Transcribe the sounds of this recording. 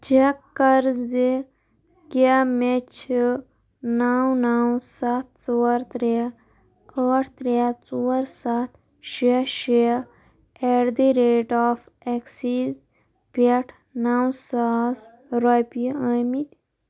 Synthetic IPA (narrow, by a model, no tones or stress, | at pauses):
d͡ʒakɐɾzi | kamet͡ʃʰ | naːwnaːwsat̪̚t͡suːɾt̪ɾe | əʈʰt̪ɾeat͡suːɾsaːt̪ʰ | ʃiʃi | eɾd̪iɾeːʈɔːf | eksiz | peʈʰ | naːwsas | ɾopiəmit̪